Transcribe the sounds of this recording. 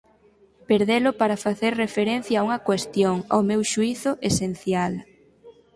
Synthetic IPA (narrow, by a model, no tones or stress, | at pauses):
peɾðelʊpaɾɐfaθeɾrefeɾen̟θjɐːuŋɐkwest̪joŋa̰wmewʃuiθʊʔesen̟θjal